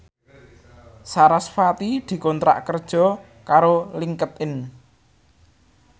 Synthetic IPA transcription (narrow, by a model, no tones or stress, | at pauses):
saɾasfat̪id̪̥i̤kɔnt̪ɾa̰ʔkərd̥ʒ̥ɔ̤ | kaɾoliŋkət̪ɪn